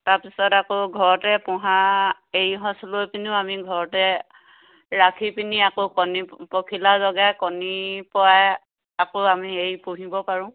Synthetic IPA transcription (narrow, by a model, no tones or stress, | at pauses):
taɹpisɔtakoɡʱɔɹɔtɛpɔɦa | ejɦɔ̃slojpiniʊamiɡʱɔɹɔtɛ | ɹakʰipiniakokɔnipɔkʰilazɔɡakɔnipɔaj | akoamiejpuɦibɔpaɹʊ̃